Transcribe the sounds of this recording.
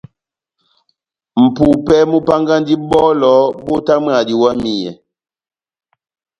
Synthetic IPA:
m̩˨pu˨pɛ˦mu˦pa˦ŋɡa˦n˦di˦bɔ˦lɔː˨˦bo˦ta˦m˦a˨di˨wa˦mi˨jɛ˨

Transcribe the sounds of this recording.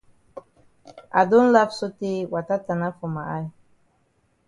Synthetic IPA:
a̰˨do˦n˦la˦fso˦ti˦wa˨ta˦ta˨na˦fo˨ma˨ʔa˦j

